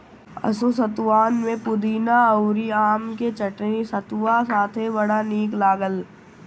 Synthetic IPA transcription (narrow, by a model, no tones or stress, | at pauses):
ɐ̰sosət̪waːnmẽpʊd̪iːnaəʊɾiaːmket͡ʃɐʈnisət̪ʋasaːt̪ʰebɐɽaniːklaːɡəl